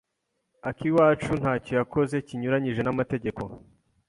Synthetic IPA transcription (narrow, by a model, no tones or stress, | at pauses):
akiwaːt͡ʃun̥haːco̞jako̞ze̞ciɲuɾaɲiʒe̞namate̞ɟe̞ko̞